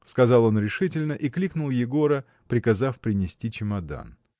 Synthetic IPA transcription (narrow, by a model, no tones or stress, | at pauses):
skɐzɑlˠo̞nɾʲɪʂɨtʲɪlʲnəʔiklʲiknʊlˠjɪɡo̞ɾə | pɾʲɪkɐzafpɾʲɪnʲɪsʲtʲit͡ɕɪmɐd̪a̰n